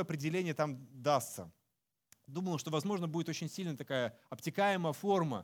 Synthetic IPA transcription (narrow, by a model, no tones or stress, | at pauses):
ɐpɾʲɪdʲɪlʲenʲɪjət̪amd̪ast̪sə̰ | d̪uməlˠəʂt̪o̞vɐzmo̞ʐnəbudɪt̪o̞t͡ɕɪnʲsʲilʲnəjət̪ɐkajəɐptʲɪkajɪməjəfo̞rmə̰